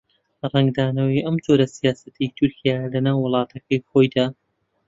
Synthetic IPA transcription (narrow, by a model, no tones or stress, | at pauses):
rɛŋɡd̪aːnɐwiʔɐmd͡ʒo̞ɾɐsijaːsɐt̪ʰit̪ʰʊɾkʰijaːjlɐnaːwːʊlˠɑːt̪ʰɐkɐjxo̞jd̪aː